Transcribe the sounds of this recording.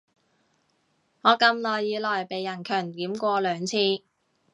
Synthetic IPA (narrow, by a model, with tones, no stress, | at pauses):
ŋɔː˨˧kɐ˧mlɔː˨jːiː˨˧lɔː˨˩jpe˨jːɐ˨˩nkʰœː˨˩ŋt̪iː˨˥mkʷɔː˧lœː˨˧ŋt͡sʰiː˧